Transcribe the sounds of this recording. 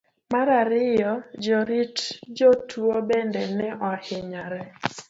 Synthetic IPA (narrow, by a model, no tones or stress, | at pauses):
maɾaɾɪjɔd͡ʒɔɾitd͡ʒɔtuobendɛnɛʔɔhɪɲaɾɛ